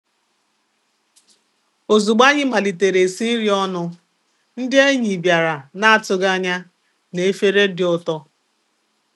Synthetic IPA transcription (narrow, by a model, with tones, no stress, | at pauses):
o˨zu˨ɡ͡ba˦ɲɪ˦ma˨li˨te˨ɾe˨si˦n̩˦ɾi˦ɔ˦nʊ˦ | n̩˦dɪ˦e˦ɲi˨bja˨ɾa˨na˦a˦˨tʊ˨ɡa˦ɲa˦ | ne˨e˦fe˦ɾe˦dɪ˨ʊ˨tɔ˦